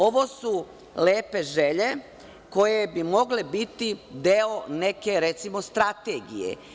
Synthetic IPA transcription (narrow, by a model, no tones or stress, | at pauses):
o̞ʋo̞su | leːpe̞ʒeʎe̞ | ko̞je̞bimo̞ɡlebit̪id̪eone̞ke̞ɾet̪simo̞st̪ɾat̪eːɡḭjḛ